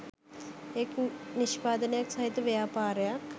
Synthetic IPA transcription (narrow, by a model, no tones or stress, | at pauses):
ekniʃpaːd̪ənəjaksɐɦit̪jɐʋejaːpaːɾəjak